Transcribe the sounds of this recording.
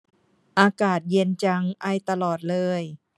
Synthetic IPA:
ʔaː˧kaː˨˩t̪̚ji˧ənt͡ɕa˧ŋʔa˧˩jt̪a˧lɔː˨˩t̪̚lɤː˧˥˧j

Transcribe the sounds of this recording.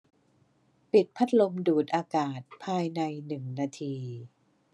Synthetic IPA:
pi˨˩t̪̚pʰa˦˥t̪̚lo˧mduː˨˩t̪̚ʔaː˧kaː˨˩t̪̚pʰaː˧jna˧jnɯ˨˩ŋnaː˧t̪ʰiː˧

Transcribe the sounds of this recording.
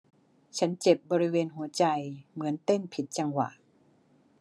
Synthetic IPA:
t͡ɕʰa˦˥nt͡ɕe˨˩p̚bɔː˧ɾi˦˥weː˧nɦu˩˦ɐt͡ɕa˧jmɯ˩˦ənt̪e˥˩npʰi˨˩t̪̚t͡ɕa˧ŋwa̰˨˩ʔ

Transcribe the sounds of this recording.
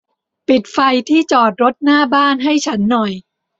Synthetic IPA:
pi˨˩t̪̚fa˧jt̪ʰiː˥˩t͡ɕɔː˨˩t̪̚ɾo˦˥t̪̚naː˥˩baː˥˩nɦa˥˩jt͡ɕʰa˦˥nːɔ˨˩j

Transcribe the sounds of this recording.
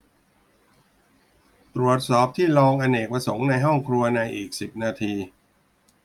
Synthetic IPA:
t̪ɾu˨˩ət̪̚sɔː˨˩p̚t̪ʰiː˥˩lɔː˧ŋʔa˧neː˨˩k̚pɾa˧so˩˦ŋna˧jɦɔ˥˩ŋkʰɾu˧ɐna˧jʔiː˨˩k̚si˨˩p̚naː˧t̪ʰiː˧

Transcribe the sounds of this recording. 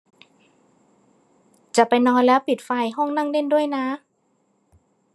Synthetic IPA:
t͡ɕa˨˩pa˧jnɔː˧˥nlɛː˦˥˩wpi˨˩t̪̚fa˧jɦɔ˥˩ŋna˥˩ŋde˥˨ndu˥˩əjna˦˥

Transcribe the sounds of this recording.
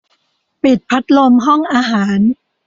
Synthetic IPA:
pe˨˩t̪̚pʰa˦˥t̪̚lo˧mɦɔ˥˩ŋʔaː˧ɦaː˩˦n

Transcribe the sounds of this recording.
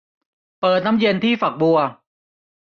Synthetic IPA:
pɤː˨˩t̪̚na˦˥mje˧nt̪ʰiː˥˩fa˨˩k̚bu˧ɐ

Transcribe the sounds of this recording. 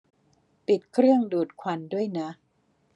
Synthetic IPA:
pi˨˩t̪̚kʰɾɯ˥˩əŋduː˨˩t̪̚kʰwa˧ndu˥˩əjna˦˥

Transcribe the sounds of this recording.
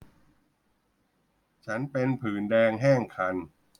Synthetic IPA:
t͡ɕʰa˦˥npe˧npʰɯː˨˩˦ndɛː˧ŋɦɛː˥˩ŋkʰa˧n

